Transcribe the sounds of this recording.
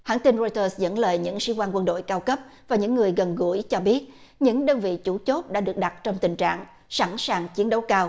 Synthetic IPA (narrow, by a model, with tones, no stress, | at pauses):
ha̰ː˧˥nt̪i˧nzo˧jt̪əː˧szə̰˧˥nlə̰ː˧˨jɲɨ̰˧˥ŋsḭ˧˥kwaː˧nkwə˧nɗo̰˧˨jkaː˧wkə˦˥p̚ | vaː˨˩ɲɨ̰˧˥ŋːɨ˨˩əjɣə˨˩nɣṵ˧˩əjt͡ɕɔ˧ɓi˦˥ət̚ | ɲɨ̰˧˥ŋɗəː˧nvḭ˧˨t͡ɕu˧˩t͡ɕo˦˥t̚ɗa̰ː˧˥ɗɨ˨˩ək̚ɗa˨˩t̚t͡ɕɔ˧wŋ͡mt̪ï˨˩ŋ̟t͡ɕa̰ː˧˨ŋ | sa˧˥nsaː˨˩ŋt͡ɕi˨˦ənɗə˨˦wkaː˧w